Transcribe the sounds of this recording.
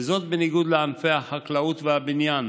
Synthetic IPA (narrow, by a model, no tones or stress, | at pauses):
zo̞t̪̚beniɡud̪leanfejhaħaklaut̪veabinjan